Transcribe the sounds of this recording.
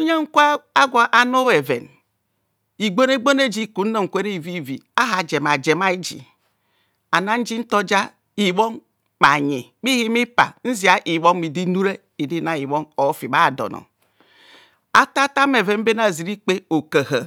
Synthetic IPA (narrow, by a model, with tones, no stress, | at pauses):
o˦ɲa˦ŋ̩˦kʷa˦a˦ɡʷa˨ʔa˨no˦we˨vḛ˨n | i˨ɡ͡bo˦ne˦ɡ͡bo˦ne˦d͡ʒi˦ku˨n̩˦no˦˨ŋ̩˨kʷe˦ɾi˦˨vi˦˨vḭ˨a˦ɦa˨d͡ʒe˨m˨a˨d͡ʒe˨ma˦i˦d͡ʒḭ˨ | a˨na˦n̩˦d͡ʒi˦n̩˦to˦d͡ʒa˦ | i˨wo˦ŋ | ma˨ɲḭ˨k͡pi˦hi˦mi˦pa̰˨n̩˦zi˨˦a˦ʔi˨wo˦m˦i˨di˦nu˦ɾe˦ | i˨di˦na˨i˨wo˦no˨˦fi˨ba˦˨dɔ̰˨nɔ̰˨ | a˦ta˦ta˦me˨ve˨nm̩˦be˦na˨zi˨ɾi˦k͡pe˦o˨ke˨hə˨